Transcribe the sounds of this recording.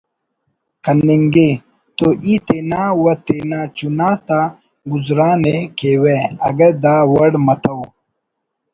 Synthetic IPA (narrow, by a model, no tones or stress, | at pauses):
kɐnːiŋɡe | t̪oʔit̪enaːwɐt̪enaːt͡ɕunaːt̪a | ɡuzɾaːnekeweɐɡɐd̪aːwɐɽmɐt̪ʰɐw